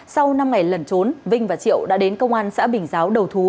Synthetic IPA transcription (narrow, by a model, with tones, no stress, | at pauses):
sa˧wna˧mŋa˨˩jlə˨˩nt͡ɕo˨˦nvï˧ŋ̟vaː˨˩t͡ɕḭ˧˨əwɗa̰ː˧˥ɗe˨˦nkə˧wŋ͡mʔaː˧nsa̰ː˧˥ɓï˨˩ŋ̟zaː˨˦wɗə˨˩wt̪ʰu˨˦